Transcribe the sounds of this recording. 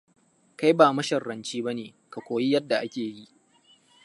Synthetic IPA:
ka˦jbaː˨mɐ˦ʃɐ˨rːɐ˨nt͡ʃiː˦ba˦neː˨ | ka˨kʷoː˨ji˦jɐ˦dːa˨ʔa˦kʲeː˨ji˦ʔ

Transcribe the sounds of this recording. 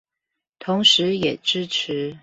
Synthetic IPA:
t̪ʰʊ˧˥ŋʂɻ̩˧˥jɛ˨˩ʈ͡ʂɻ̩˥ʈ͡ʂ̩ʰ˧˥

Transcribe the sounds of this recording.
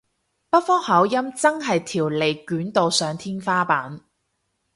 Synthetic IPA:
pɐ˥t̚fɔː˥hɐ˨˥wjɐ˥mt͡sɐ˥ŋɦɐ˨jt̪ʰiː˨˩wle˨jkyː˨˥nt̪o˨wsœː˨˧ŋt̪ʰiː˥nfaː˥paː˨˥n

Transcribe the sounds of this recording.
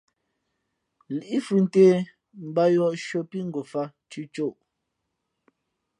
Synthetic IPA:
li˨i˦fʉ˨n̩˨˦teː˦ | m̩˨˦ba˦jɔ˦˨ʔʃo˨pi˦ŋ˦ɡo˨fa˦ | t͡ʃi˦t͡ʃo˦˨ʔ

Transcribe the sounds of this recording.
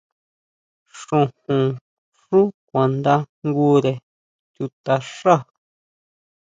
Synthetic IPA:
ʂũ˧hũ˧ | ʂũ˦kʷã˨nd̪a˦ŋɡu˦ɾe˨ | t̪u˧t̪a˧ʂa˦˨

